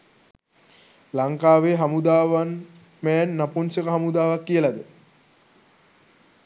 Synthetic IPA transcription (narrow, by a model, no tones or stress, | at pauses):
laŋkaːʋeɦamud̪aːʋan | mɛːnːaponsəkəɦamud̪aːʋakːijəlad̪ə